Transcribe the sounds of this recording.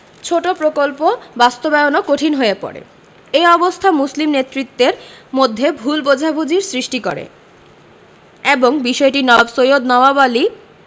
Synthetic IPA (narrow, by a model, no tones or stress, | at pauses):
t͡ɕʰoʈopɾokolpobast̪obeonokoʈʰinɦoepɔ̰ɾḛ | eɔbost̪ʰamuslimnet̪ːɾit̪ːeɾmod̪ʱːebʱulbod͡ʑʱabʱud͡ʑiɾsɾiʃʈiko̰ɾḛ | eboŋbiʃɔeʈinɔbsojod̪nɔbabali